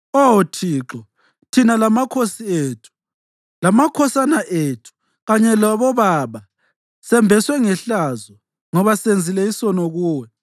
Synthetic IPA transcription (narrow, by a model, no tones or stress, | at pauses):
otʰiːǁɔ | tʰinalamakʰosieːtʰu̥ | lamakʰɔsanaʔeːtʰu̥ | ɣaɲɛlaβɔβaβa | sɛmbʱɛswɛŋɛɬazɔ | ŋɔβasend͡zʱilɛisɔnɔɣuːwɛ